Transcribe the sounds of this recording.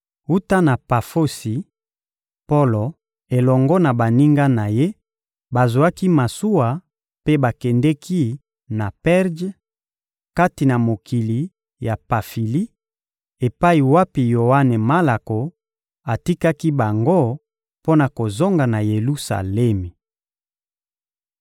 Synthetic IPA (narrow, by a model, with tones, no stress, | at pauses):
u˦ta˦na˨pa˨fo˦si˨ | po˦lo˨ | e˨lɔ˨ŋɡɔ˦na˨ba˨ni˦ŋɡa˦na˨je˦ | ba˨zu˨a˦ki˦ma˨su˦wa˨ | pe˦ba˨kɛ˨ndɛ˦kʰi˦ | na˨pɛ˦ʁd͡ʒ | ka˦ti˨na˨mo˨kʰi˨li˨ | ja˨pa˨fi˨li˦ | e˨pa˦i˨wa˦pi˨jo˨wa˦nɛ˨ma˦la˨ko˨ | a˨ti˦ka˦ki˦ba˨ŋɡo˦ | po˦na˨ko˨zo˦ŋɡa˨na˨je˨lu˦sa̰˨le˦mi˨